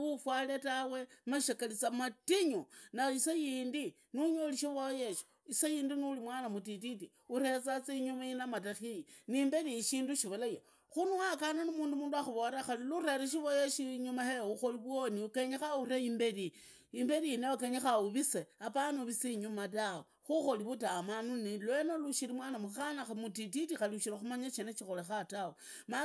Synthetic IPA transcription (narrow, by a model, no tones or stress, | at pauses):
ufwaletawe̞maʃakalit͡samatiɲunaisejindi | nuɲoliʃiβojeʃi̥ | isejiːndinulimwanamutit̬iti | uɾe̞t͡sat͡seiɲumainamataxijinimbe̞ɾiʃiːnduʃiβolaje | xunuakananimuːndumuːnduaxuβoɾaxaliluraɾiʃ̬iβojeʃiɲumaheuxo̞liβwoniukeɲexaureimbeɾiː | mbe̞ɾiineokeɲexauβiseapanuβisiɲumatawo | xuxo̞liβutamanunilwenoluʃiɾimwaːnamuxanaxamutititixaliuʃiɾaxumaɲat͡ʃenet͡ʃixolexatawo | ma